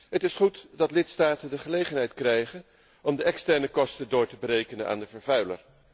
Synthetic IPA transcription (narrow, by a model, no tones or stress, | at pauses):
ɦətɪsχutdɑtlɪtstaːtəndəχəlejχənɦɛjtkrɛjχən | ɔmdəʔɛkstɛɹnəkɔstədʊːɹtəbəɾejkənənʔa̰ːndəvəɹvœɥlə̰ɹ